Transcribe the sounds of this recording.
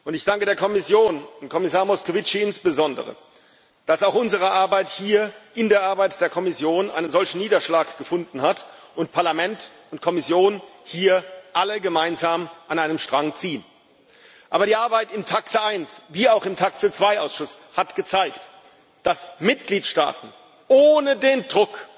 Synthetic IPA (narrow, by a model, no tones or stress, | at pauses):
ʊntɪçd̥aŋkədeːɐkʰɔmɪsjoːnʊntkʰɔmɪsaːɐmɔskovɪt͡ʃiɪnsb̥əzɔndə̰ʁə̰ | d̥asaʊxʔʊnzəʁ̞əʔaɐbaɪthiːɐʔɪndeːɐʔaɐbaɪtd̥eːɐkʰɔmɪsjoːnʔa̰ɪnənzɔlçn̩niːdɐʃlaːkɡ̥əfʊndn̩hatʔʊntpʰaɐlamɛnt | ʊntkʰɔmɪsjoːnhiːɐʔaləɡəmaɪnzaːmʔanaɪnəmʃtʁ̥aŋt͡siːən | ʔaːbɐɾiːʔaɐbaɪtɪmtʰaksəaɪnsviːaʊxɪmtʰaksət͡sv̥aɪʔaʊsʃʊs | hatɡ̥ət͡saɪkt | d̥asmɪt̚ɡ̥liːtʃta̰ːtn̩ | ʔoːnədeːndʁʊk